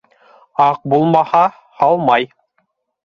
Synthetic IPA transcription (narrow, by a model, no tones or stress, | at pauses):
ɑq̚bulˠmɑhɑ | hɑlˠmɑj